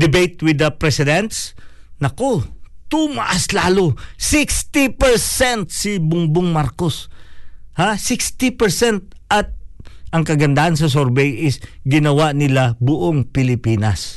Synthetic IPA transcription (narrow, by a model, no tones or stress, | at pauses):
d̪ɪbejt̪wɪd̪ɐpɾɛsɪd̪ɛnt̪snɐkot̪ʊmɐʔaslaːlosɪkst̪ipɛɹsɛnt̪̚sɪbʊŋboŋmaɾkos | hasɪkst̪ɪpɛɹsɛnt̪̚ʔɐt̪̚ʔɐŋkɐɡɐnd̪ahans̬ɐs̬oɾbɛjʔɪsɡɪnɐwaʔnɪlabʊʔoŋpɪlɪpiːnɐs